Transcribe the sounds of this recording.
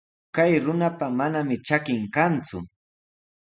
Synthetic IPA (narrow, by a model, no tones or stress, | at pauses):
kajɾʊnapamanamɪt͡ʃakɪŋkant͡sʊ̰